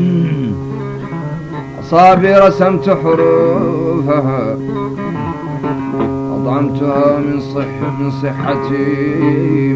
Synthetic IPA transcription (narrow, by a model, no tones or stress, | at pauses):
ʔɑsˤɑːbiɾˤɑsamt̪ħʊɾuːfaɦa | ʔɑ̰d̪ˤʕɑmt̪ʊhaɪ | mɪnsˤɨħːat̪i